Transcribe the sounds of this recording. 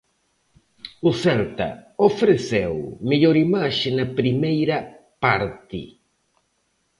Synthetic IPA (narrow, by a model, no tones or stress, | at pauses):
ʊθɛlt̪ɐ̰ofɾeθewmeʎoɾimaʃɪnɐpɾimejɾɐ | paɾt̪ɪ̰